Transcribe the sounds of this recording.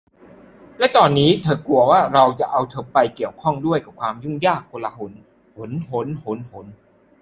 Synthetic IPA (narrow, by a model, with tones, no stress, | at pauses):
lɛ˦˥t̪ɔː˧nːiː˦˥t̪ʰɤː˧ku˧ɐwaː˥˩ɾa˧wt͡ɕa˨˩ʔa˧wt̪ʰɤː˧pːa˧jki˨˩əwkʰɔ˥˩ŋdu˥˩əjka˨˩p̚kʰwaː˧mju˥˩ŋjaː˥˩k̚ːo˧laː˧ɦo˩˦n | ho˩˦nɦo˨˦nho˩˦nho˩˦n